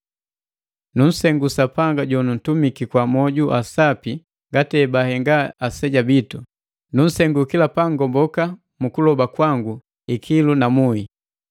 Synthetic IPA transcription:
nun̩sɛŋɡusapaŋɡaɟɔnun̩tumikikwamɔɟuʔasapi | ŋɡatɛbahɛŋɡaasɛɟabitu | nun̩sɛŋɡukilapaŋɡɔmbɔka | mukulɔbakwaŋɡu | ikʰilunamui

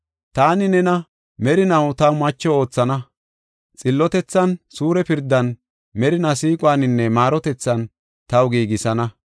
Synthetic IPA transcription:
t̪aːnɪnɛnɐ | mɛɾɪnɐwt̪ɐwmɐt͡ʃːɔo̞ːt͡sːɐnɐ | t͡sʼɪlːɔt̪ɛt͡sːɐnsuːɾɛpɪɾd̪ːɐn | mɛɾɪnɐsiːkʼwaːnɪnːɛmaːɾɔt̪ɛt͡sːɐn | t̪ɐwɡiːɡɪsɐnɐ

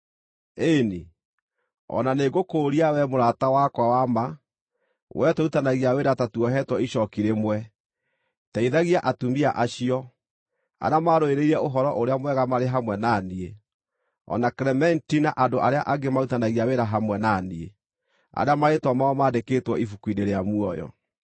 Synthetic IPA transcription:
eni | ɔ̰naneɡokoːɾiawɛmoɾatawakwawama | wʔɛtoutanaɣiaweɾatatuɔɦɛtwɔiɕɔkiɾemwɛ | taiðaɣiaʔatumiaʔaɕiɔ | a̰ɾamaɾoeɾeiɾɛoɦɔɾɔʔoɾeamwɛɣamaɾeɦamwɛnanie | ɔ̰nakɾɛmɛntinaʔadoʔaɾeaʔaɡemautanaɣiaweɾaɦamwɛnanie | a̰ɾeamaetwamaɔmaːdekeːtwɔifukwineɾeamuɔjɔ̰

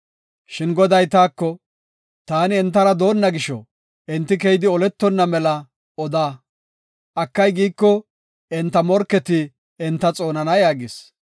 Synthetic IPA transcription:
ʃɪnɡɔd̪ɐjt̪aːkːɔ | t̪aːnɪɛnt̪ːɐɾɐd̪o̞ːnːɐɡɪʃɔ̰ | ɛnt̪ːɪkɛjɪd̪ɪɔlɛt̪ːɔnːɐmɛlɐ | ɔd̪aː | ʔɐkːɐjɡiːkːɔ | ɛnt̪ːɐmɔɾkːɛt̪ɪ | ɛnt̪ːɐt͡sʼo̞ːnɐnɐjaːɡɪs

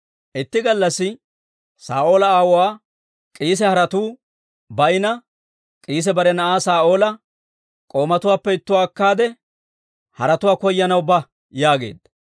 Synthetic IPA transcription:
ʔɪt̪ːɪɡɐlːɐsːɪ | sa̰ːʔo̞ːlɐaːwɔwaː | kʼiːs̬ɛhɐɾɐt̪uː | bɐjnɐ | kʼiːs̬ɛbɐɾɛnɐʔaːsaːʔo̞ːlɐ | kʼo̞ːmɐt̪ʊwaːpːɛɪt̪ːʊwaːkːaːd̪ɛ | hɐɾɐt̪ʊwaːkɔjːɐnɐwbɐ | jaːɡe̞̰ːd̪ɐ

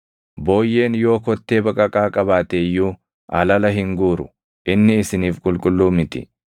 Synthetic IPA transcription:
bo̞ːjːe̞ːnjo̞ːkɔt̪ːe̞ːbɐkʼɐkʼaːkʼɐbaːt̪eːjːuː | ʔɐlɐlɐɦɪŋɡuːɾʊ | ʔɪnːɪɪsɪniːfkʼʊlkʼʊlːuːmɪt̪ɪ̰

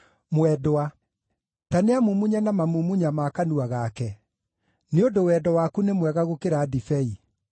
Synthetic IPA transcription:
mwɛdoa | taneamumuɲanamamumuɲamakanuaɣakɛ | neodowɛdɔwakunemwɛɣaɣokeɾadifɛi

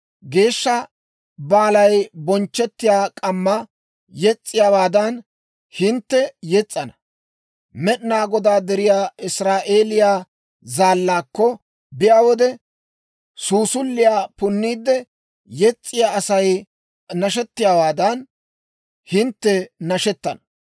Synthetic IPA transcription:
ɡe̞ːʃːɐ | baːlɐjbɔnt͡ʃːɛt̪ːɪjaːkʼɐmːɐ | jɛt͡sʼːɪjaːwaːd̪ɐn | hɪnt̪ːɛjɛt͡sʼːɐnɐ̥ | mɛɗnaːɡɔd̪aːd̪ɛɾɪjaːɪsɾaːʔe̞ːlɪjaː | zaːlːaːkːɔ | bɪjaːwɔd̪ɛ | suːsʊlːɪjaːpʊnːiːd̪ːɛ | jɛt͡sʼːɪjaːʔɐsɐj | nɐʃ̬ɛt̪ːɪjaːwaːd̪ɐn | hɪnt̪ːɛnɐʃɛt̪ːɐnɐ̥

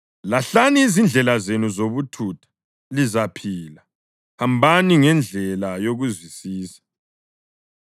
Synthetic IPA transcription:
laɬaniːzind͡ɮʱɛlazenuzoβutʰutʰḁ | lizapʰila | hambʱaniŋɛnd͡ɮʱɛlajoɣuzwisiːsḁ

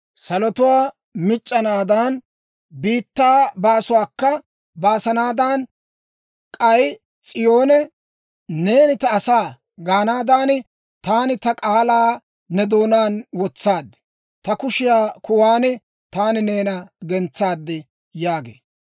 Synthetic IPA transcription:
sɐlɔt̪ʊwaː | mɪt͡ʃʼːɐnaːd̪aːn | biːt̪ːaːbaːsʊwaːkːɐ | baːsɐnaːd̪aːn | kʼɐj | t͡sʼɪjoːnɛ | ne̞ːnɪt̪ɐːsaː | ɡaːnaːd̪aːnɪ | t̪aːnɪt̪ɐkʼaːlaː | nɛd̪o̞ːnaːnwɔt͡sːaːd̪ːɛ̥ | t̪ɐkʊʃɪjaːkʊwaːnɪ | t̪aːnɪne̞ːnɐɡɛnt͡sːaːd̪ːɛ | jaːɡḛː

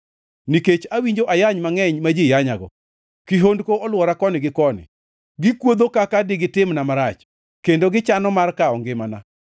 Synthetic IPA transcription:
niket͡ʃawiɲd͡ʒoʔajaɲmaŋɛɲmad͡ʒijaɲaɡɔ̰ | kɪɦondkoʔɔlwɔɾakɔnɪɡɪkɔnɪ̰ | ɡɪkwod̪okakadɪɡɪtɪmnamaɾat͡ʃ | kendoɡɪt͡ʃanɔmarkaɔŋɡɪmana̰

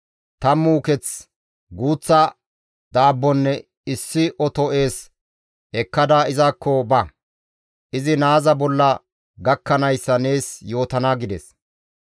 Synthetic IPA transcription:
t̪ɐmuːkɛt͡s | ɡuːt͡sːɐ | d̪̥aːbːɔnːɛ | ɪsːɪʔɔt̪ɔe̞ːs | ɛkːɐd̪aːɪzakːɔbɐ | ʔɪzɪnaːzɐbɔlːɐ | ɡɐkːɐnɐjsːɐne̞ːsjo̞ːt̪ɐnaɡɪd̪ɛs

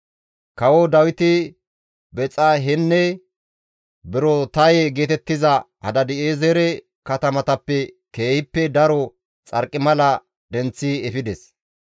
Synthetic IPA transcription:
kɐwɔd̪ɐwɪt̪ɪ | bɛt͡sʼɐɦɪnːɛ | bɪɾɔt̪ɐjeɡe̞ːt̪ɛt̪ːɪzɐ | hɐ̰d̪ɐd̪ɪeːzɛɾɛ | kɐt̪ɐmɐt̪ɐpːɛ | keːhɪpːɛd̪ɐɾɔ | t͡sʼɐɾkʼːɪmɐlɐ | d̪ɛnt͡sːiɛfɪd̪ɛs

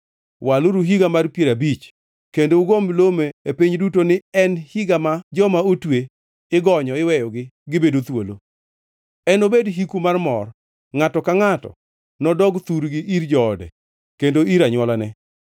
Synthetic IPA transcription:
walʊɾuɦiɡamarpjeɾabit͡ʃ | kendouɡomlomeepiɲdutonɪɛnhiɡamad͡ʒɔmaotwe | ɪɡɔɲɔɪwɛjɔɡɪɡɪbedot̪wolo̰ | ɛnobedɦikumarmɔr | ŋatɔkaŋatɔ̰ | nɔdɔɡt̪uɾɡɪʔiɾd͡ʒɔːdɛ̰ | kendoiɾaɲwɔlanɛ

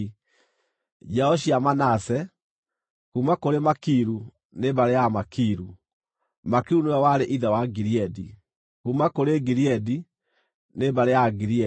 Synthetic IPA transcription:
d͡ʒɛɔɕiamanasɛ | kumakoɾemakiɾu | nebaɾejamakiɾu | makeunuawaɾeʔiðɛwaɡiɾiɛdi | kumakoɾeɡiɾiɛdi | nebaɾejaɡiɾiɛ

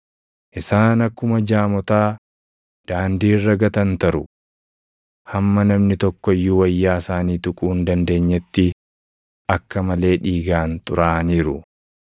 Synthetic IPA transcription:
ʔɪsaːnɐkːʊmɐd͡ʒaːmɔt̪aː | d̪̥aːnd̪iːrːɐɡɐt̪ɐnt̪ɐɾʊ | hɐmːɐnɐmnɪt̪ɔkːɔɪjːuwɐjːaːsaːniːt̪ʊkʼuːnd̪ɐnd̪e̞ːɲːɛt̪ːɪ | ɐkːɐmɐle̞ːᶑiːɡaːnt̪ʼʊ̰ɾaːniːɾʊ

